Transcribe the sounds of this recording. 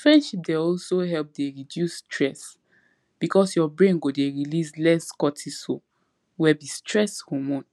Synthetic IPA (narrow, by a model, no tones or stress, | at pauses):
fɹɛ̃ndʃip̚deɔlsoɦɛlp̚deɹidjusːtʰɹɛs | b̥ikʰɔsjɔbɹẽnɡodeɹilislɛskɔtʰiso | wɛbistɹɛshɔmɔ̃n